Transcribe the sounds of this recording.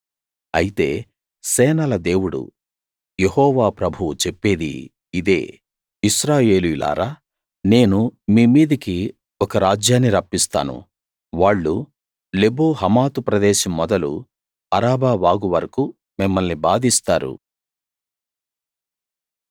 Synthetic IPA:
ɐjit̪e̞̰ː | sɛːnɐlɐd̪e̞ːwuɽṵ | jeɦɔːʋaːpɾɐbʱuut͡ʃe̞pːe̞ːd̪ḭː | d̪e̞̰ː | iʃɾaːje̞ːluilʔa̰ːɾaː | ne̞ːnumiːmiːd̪ɐki | ɔkɐɾaːd͡ʒjaːnːiɾɐpːist̪a̰ːnṵ | ʋaːɭːu | leboːɦɐmaːt̪upɾɐd̪ɛːʃɐmːɔd̪ɐlṵ | ɐɾaːbaːʋaːɡuʋɐɾɐku | mimːɐlnibaːd̪ist̪aːɾṵ

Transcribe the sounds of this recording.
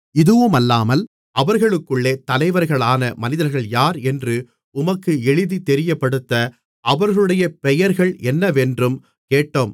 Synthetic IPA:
ɪðɯʋɯmɐlːaːmɐl | ʔɐʋɐɾɣɐɭɯkːɯɭːeːt̪ɐlɐɪʋɐɾɣɐɭaːnɐmɐnɪðɐɾɣɐɭjaːɾɛndrɯ | ʊmɐkːɯɛɻɯðit̪ɛɾɪjɐpːɐɽɯt̪ːɐ | ʔɐʋɐɾɣɐɭɯɽɐjɐpɛjɐɾɣɐɭɛnːɐʋɛndrɯm | keːʈːoːm

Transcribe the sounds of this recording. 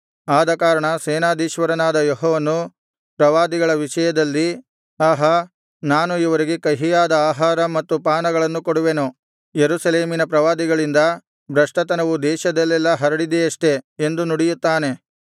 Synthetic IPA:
aːd̪ɐkaːɾɐɳɐsɛːnaːd̪iːʃʋɐɾɐnaːd̪ɐjɔɦɔːʋɐnu | pɾɐʋaːd̪iɡɐɭɐʋiʂɐjɐd̪ɐlːi | aːɦɐ | naːnuiʋɐɾiɡe̞kɐɦijaːd̪ɐaːɦaːɾɐmɐt̪ːupaːnɐɡɐɭɐnːukoɽuʋeno | jeɾuːsɐleːminɐpɾɐʋaːd̪iɡɐɭind̪ɐ | bɾɐʂʈɐt̪ɐnɐʋud̪ɛːʃɐd̪ɐlːɛlːɐɦɐɾɐɽid̪ɛɐʂʈe̞end̪unuɽijut̪ːaːne̞

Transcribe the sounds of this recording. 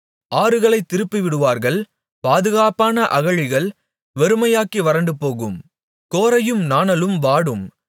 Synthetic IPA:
ʔaːɾɯɣɐɭɐɪt̪ːɪɾɯpːiʋɪɽɯʋaːɾɣɐɭ | paːðɯɣaːpaːnɐʔɐɣɐɻɪɣɐɭ | ʋɛɾɯmɐjaːkiʋɐɾɐɳɖɯpoːɣɯm | koːɾɐjɯmnaːnɐlɯmʋaːɽɯm

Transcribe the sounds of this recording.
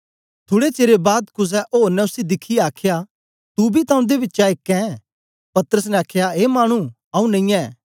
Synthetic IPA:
t̪ʰoːɽet͡ʃeːɾebaːd̪kʊs̬ɛʔoːɾnɛʊsid̪ɪkʰijaːkʰja | t̪ubʱit̪ɐ̃ũd̪eʋɪtːʃaɪkːɛ̃ | pɐt̪əɾəsnɛaːkʰjaɦeːmaːɽ̃u | ɐ̃ũnɐĩjɛː

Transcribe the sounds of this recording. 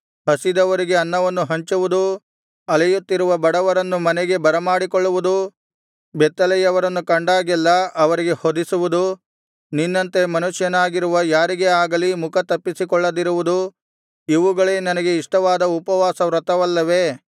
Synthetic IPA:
hɐsid̪ɐʋɐɾiɡe̞ɐnːɐʋɐnːuɦɐɲt͡ʃuʋud̪u | ɐlɐjut̪ːiɾuʋɐbɐɽɐʋɐɾɐnːumɐnɛɡe̞bɐɾɐmaːɽikɔɭːuʋud̪u | bɛt̪ːɐlɛjɐʋɐɾɐnːukɐɳɖaːɡɛlːɐɐʋɐɾiɡe̞hod̪isuʋud̪u | ninːɐnt̪e̞mɐnuʂjɐnaːɡiɾuʋɐjaːɾiɡeaːɡɐlimukʰɐt̪ɐpːisikɔɭːɐd̪iɾuʋud̪u | iʋuɡɐɭenɐnɐɡe̞iʂʈɐʋaːd̪ɐupɐʋaːsɐʋɾɐt̪ɐʋɐlːɐʋe̞

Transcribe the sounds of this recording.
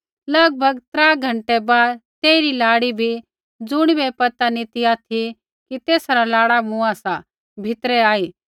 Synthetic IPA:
lɐɡ̚bʱɐɡt̪ɾaːɡʱɐ̃ɳʈɛbaːd̪t̪eːɪɾilaːɽibʱi | d͡zʊɽ̃bɛpɐt̪anit̪iaːt̪ʰi | kit̪eːsɾalaːɽamʊ̃asa | bʱɪt̪ɾɛaːiː

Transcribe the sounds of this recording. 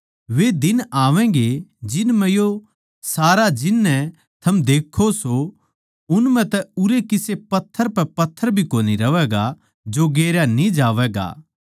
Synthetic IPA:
ʋed̪ɪnaːʋɛ̃ɡed͡ʒɪnmɛ̃jo | saːɾad͡ʒɪnːɛ̃ | t̪ʰɐmd̪eːkʰːoso | ʊnmɛ̃t̪ɛʊɾekɪsepɐt̪ʰːəɾpɛpɐt̪ʰːəɾbʱikoːniɾɐʋɛːɡa | d͡ʒoɡeːɾjanĩd͡ʒaːʋɛːɡa̰ː

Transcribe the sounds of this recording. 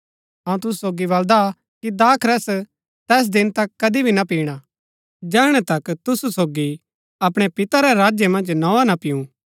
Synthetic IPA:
ɦɐ̃ũt̪ʊsu̥soːɡiβɐld̪a | kid̪aːkʰɾɛs | t̪ɛːs̬d̪ɪnt̪ɐkːɐd̪ibʱinapiːɽ̃a | d͡ʒɛːɽ̃ɛt̪ɐkt̪ʊsusoːɡi | ɐpɽ̃ɛpɪt̪aɾɛɾaːd͡ʒjemɐ̃nd͡ʒnɔːanapɪjũ

